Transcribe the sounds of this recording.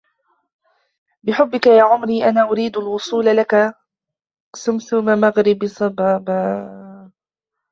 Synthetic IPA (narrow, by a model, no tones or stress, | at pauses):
bɪħʊbːɪkajaːʕʊmɾiːʔanaːʔʊɾiːd̪alwʊsˤuːlalaka | sʊmθʊmamaɣɾɪbsˤɑbaːba